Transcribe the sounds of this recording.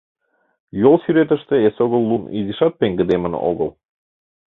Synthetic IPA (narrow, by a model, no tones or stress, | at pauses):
jolˠsyɾet̪ə̆ʃt̪ĕesoɣɤ̆lˠːunḭziʃɑt̪̚peŋɡɘ̆d̪emə̆nɤ̰ʔo̰ɣɤ̰̆lˠ